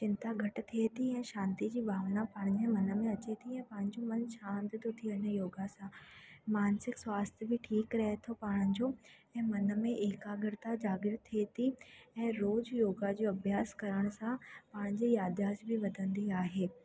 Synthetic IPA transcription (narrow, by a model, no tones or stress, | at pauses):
t͡ɕɪ̃nt̪aɡʱɐʈ̆t̪ʰiet̪ʰiɛ̃ːʃãːnt̪id͡ʑiːbʱaːʋnapãːɽ̃ɪd͡ʑẽmɐnə̆mẽɐt͡ɕet̪ʰiɛ̃ːpãːɽ̃̆d͡ʑomɐnʃãːnt̪t̪ʰot̪ʰiənəjoːɡasãmaːnsɪkswaːst̪ʰjəbɪʈʰiːkɾɐɦet̪ʰopaːɽ̃ʊ̃d͡ʑo | ɛ̃ːmɐnə̆mẽʔeːkaːɡɪɾt̪ad͡ʑaːɡɪɾt̪ʰiet̪ʰiɛ̃ːɾoːd͡ʑjoːɡad͡ʑoɐbʱjaːskɐɾəɽ̃sãpaːɽ̃d͡ʑiːjaːd̪ʱjaːsbɪʋɐd̪ʱə̃nd̪iaːɦeː